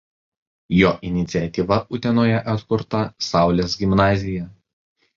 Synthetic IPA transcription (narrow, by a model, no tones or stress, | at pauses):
joːʔɪnʲɪt̪sʲɪɛt̪ʲiʋɐʔʊt̪ʲɛnoːjɛʔɐt̪kʊɾt̪ɐsɑˑʊlʲeːsɡʲɪmnɑːzʲɪjɛ